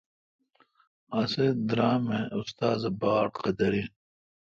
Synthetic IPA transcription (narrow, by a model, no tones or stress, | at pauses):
ɐsed̪ɾaːmeust̪aːzɐbaːɽqɐd̪ɐɾi